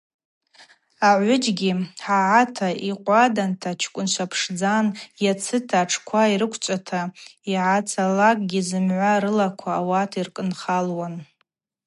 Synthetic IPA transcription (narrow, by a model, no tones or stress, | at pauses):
aʕʷʊd͡ʒɡʲiħaʕatʰaiqʷʼadantʰat͡ʃʰkʷʼʊnt͡ʃʷʰapʰʂd͡zanjat͡sʰɨtʰaʈ͡ʂʰkʷʰaiɾɨkʷʰt͡ʃʷʼatʰaiʕat͡sʰalakʼɡʲizɨmʕʷaɾɨlakʷʰaːwatʰirkʼɨnχalwan